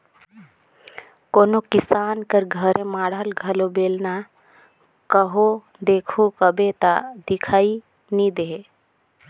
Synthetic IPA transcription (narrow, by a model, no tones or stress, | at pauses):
koːnokɪsaːnkəɾɡʱəɾẽmaːɽəlɡʱəlobeːlna | kəɦo | d̪eːkʰukəbet̪a̰d̪ɪkʰaːi | nid̪eɦe